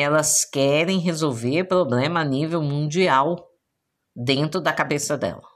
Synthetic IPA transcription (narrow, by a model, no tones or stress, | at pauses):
ɛlɐskɛɾẽj̃ɦezowveɾpɾoblẽmɐːnivewmũnd͡ʒiaw | d̪ẽnt̪ɾʊd̪ɐkabesɐd̪ɛ̰lɐ